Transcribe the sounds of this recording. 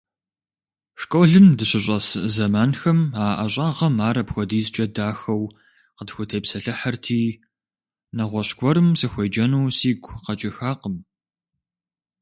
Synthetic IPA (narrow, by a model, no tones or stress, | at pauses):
ʂkʷʼoɮɨmdɨɕɪɕ̬ʷʼɐszɐmaːnxɐmaːʔɐɕʼaːʁɐmaːɾɐpxʷɔdiːzt͡ʃʼɐdaːxɐw | qədxʷʊtʰeːpsɐɬɨħɐrtʰiː | nɐʁʷɔɕɡʷɔɾɨmsɨxʷɐjd͡ʒɐnuːsiːɡʷʰqɐt͡ʃʼɪxaːqəm